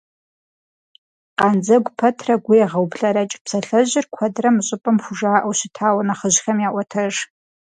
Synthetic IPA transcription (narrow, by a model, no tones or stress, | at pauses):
qɑːnd͡zɐɡʷpʰɐtʰrɐɡʷʊjɛʁɐwbɬɐɾɐt͡ʃʼpsɐɬɐʑɪrkʷʰɐdrɐmɨɕʼɪpʼɐmxʷʊʒaːʔɐwɕɪtʰaːwɐnɐχəʑxɐmjaːʔʷɔtʰɐʒ